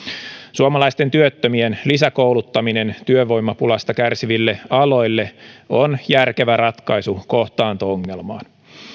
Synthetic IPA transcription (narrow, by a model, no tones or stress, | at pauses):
suɑmɑlɑjst̪ent̪yøt̪ːømienlisækowlut̪ːɑmine̞nt̪yøʋo̞ijmːɑpulɑst̪ɑkærsiʋilːe̞ɑlo̞jlːe̞onjærke̞ʋæɾɑt̪kɑjsuko̞ht̪ɑːnt̪ooŋːe̞lmɑ̰ːn